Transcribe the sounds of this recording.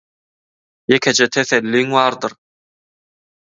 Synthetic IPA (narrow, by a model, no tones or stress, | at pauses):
jekʲʰed͡ʒet̪ʰeθelːiːŋwɑːɾd̪ɯɾ